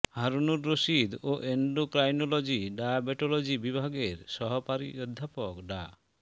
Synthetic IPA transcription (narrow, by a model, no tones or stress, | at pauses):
haɾunuɾːoʃid̪oʔeɳɖokɾajnolod͡ʑiɖajabeʈolod͡ʑibibʱaɡeɾʃɔɦɔpaɾḭɔd̪ʱːapokɖa̰